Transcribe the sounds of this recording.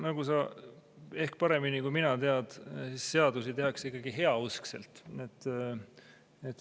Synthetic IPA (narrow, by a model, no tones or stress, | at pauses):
nɑɡ̥usɑ | e̞hkpɑɾe̞minikuminɑt̪e̞ɑd̪̥sisːe̞ɑd̪̥usit̪e̞ɦɑksikːˑɑɡ̥iɦe̞ɑuskse̞̰lt̪ˑet̪ːˑ | et̪ː